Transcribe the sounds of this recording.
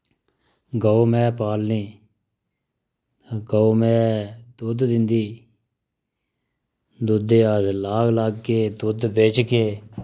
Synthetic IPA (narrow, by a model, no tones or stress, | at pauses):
ɡəomɛ̃ːpaːlnĩː | ɡəomɛ̃ːd̪ʊd̪d̪ɪnd̪iː | d̪ʊd̪eːazlaːkʰlaːɡkeːd̪ʊd̪beːt͡ʃkeː